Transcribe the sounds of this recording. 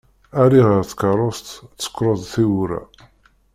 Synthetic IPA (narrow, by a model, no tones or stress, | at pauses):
æɾiʁəɾθkəɾˤost̪t͡sːə̥kːɾˤoðˤθiwɾæ̰